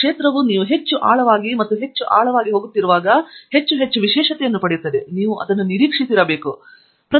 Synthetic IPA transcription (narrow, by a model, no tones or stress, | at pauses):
kʂeːt̪ɾɐʋuniːʋuɦe̞t͡ʃːuʔaːɭɐʋaːɡimɐt̪ːuɦe̞t͡ʃːuʔa̰ːɭɐʋaːɡiɦo̞ːɡut̪ːiɾuʋaːɡɐhet͡ʃːuɦet͡ʃːuʋiʃɛːʂɐt̪ɛjɐnːupɐɽejut̪ːɐd̪eniːʋuʔɐ̰d̪ɐnːuniɾiːkʂisiɾɐbe̞ːku | pɾɐ